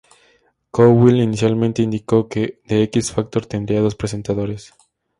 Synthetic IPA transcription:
kowilinisjalmẽnt̪e̞ind̪iko̞keðeekisfak̚t̪o̞ɾt̪e̞nd̪ɾiaðo̞spɾe̞s̬e̞nt̪aðo̞ɾes

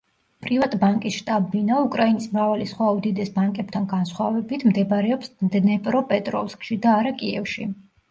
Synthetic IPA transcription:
pʼɾivat̪ʼbaŋkʼisʃt̪ʼabinaukʼɾainismɾavalisχwaud̪id̪ɛsbaŋkʼɛb̥̚t̪ʰanɡansχwavɛbit̪ʰmd̪ɛbaɾɛɔpsd̪nɛpʼɾɔpʼɛt̪ʼɾɔfskʼʃid̪aːɾakʼiɛfʃḭ

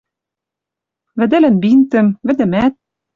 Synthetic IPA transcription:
βɘ̆d̪ɘ̆lɘ̆nbint̪ɘ̆mvɘ̆d̪ɘ̆mæt̪̚

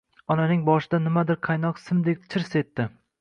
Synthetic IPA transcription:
ɒnanɪŋbɒʃɪd̪anɪmad̪ɪɾqʰɑjnɒqsɪmd̪ek̚ʲt͡ʃʰɪɾse̞t̪ːɪ

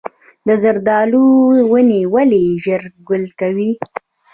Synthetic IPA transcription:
d̪əzaɾd̪ɑluwənewaleʒəɾɡʊlkawi

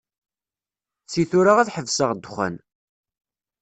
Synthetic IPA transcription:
t͡sːiθʊɾaʁæθħəvsəʁd̪χʷæ̰n

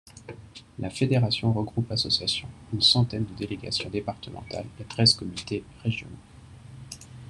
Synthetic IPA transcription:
lʔafed̪eʁasjɔ̃ʁəɡʁupasɔsjasjɔ̰̃ynsɑ̃t̪ɛnd̪əd̪eleɡa̰sjɔ̰̃d̪epaʁt̪əmɑ̰̃t̪a̰let̪χɛzkɔmynt̪eʁeʒjɔ̰no

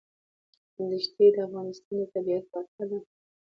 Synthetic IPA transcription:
d̪əʃt̪ed̪əafɣɑnɪst̪ɑnot̪abiat̪̚wat̪ʰala

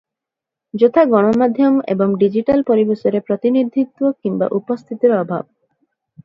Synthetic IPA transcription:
d͡ʑot̪ʰaɡɔɽ̃omad̪ʱjomḛboŋɖid͡ʑiʈalpoɾibeʃoɾepɾot̪inid̪ʱːit̪ːwokiŋba̰ʔupost̪ʰit̪eɾɔbʱa̰b̚

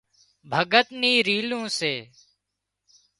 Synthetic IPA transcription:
bʱəɡət̪niːɾiːlõːseː

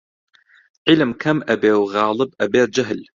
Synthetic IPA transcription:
ʕɪlmkʰamːʔabeːwɣaːlɨbʔabeːɾ̚d͡ʒaɦl

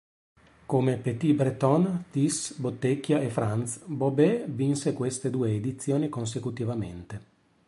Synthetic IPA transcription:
komepet̪ibɾet̪ɔnt̪isbot̪ːekjaʔefɾant̪sbobevinsekwest̪ed̪uːeːd̪it̪sːjoːnikons̬ekut̪ivamḛnt̪e

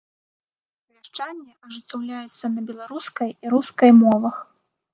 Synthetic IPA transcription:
vʲaʂt͡ʂanʲːɛʔɐʐɨt͡s̪ʲawlʲajɛt̪sːɐnɐbʲɛlˠaɾuskɐjiɾuskɐjmɔvɐx

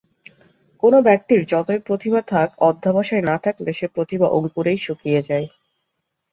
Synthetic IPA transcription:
konobɛk̚t̪iɾd͡ʑɔt̪oepɾot̪ʰibat̪ʰakɔd̪ʱːabaʃaenat̪ʰakd̪eʃepɾot̪ʰibaʔo̰ŋpuɾejʃukijed͡ʑae

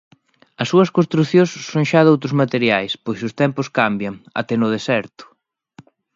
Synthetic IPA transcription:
ɐsːuɐskõnst̪ɾuθjõsːoŋʃaðowt̪ɾʊzmat̪eɾjajspojsʊst̪ɛmpʊskambjɐŋa̰t̪ɛnʊðesɛɾt̪ʊ̥

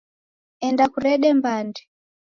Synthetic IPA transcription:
ɛndakuɾɛɗɛmbandɛ

